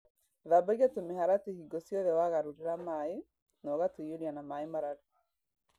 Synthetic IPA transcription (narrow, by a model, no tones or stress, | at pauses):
ðabaɣjatomehaɾatehiɡɔsjɔðɛwaɣaɾuɾeɾamae | nɔɣatujoɾianamaemaɾaɾi